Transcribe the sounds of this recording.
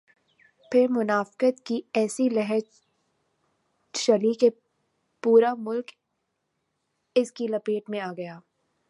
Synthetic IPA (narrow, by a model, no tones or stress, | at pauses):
pʰɪɾmʊnaːfkət̪kiɛːsilɛɦɛ | ʃɐlike | puːɾamʊlk | ɪskilɐpeːʈmẽaːɡɐjaː